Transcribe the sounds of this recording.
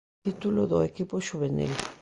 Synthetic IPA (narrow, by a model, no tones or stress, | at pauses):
it̪uloðoekipoʃuβenḭl